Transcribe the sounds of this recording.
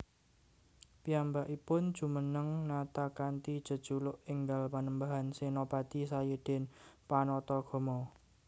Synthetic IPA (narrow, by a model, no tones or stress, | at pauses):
piambaʔipʊnd̥ʒ̥ṳmənəŋnat̪akant̪id̥ʒ̥ə̤d̥ʒ̥ulʊʔiŋɡalpanəmbaɦansenopat̪isajed̪̥ɛnpanɔt̪ɔɡ̥ɔ̤mɔ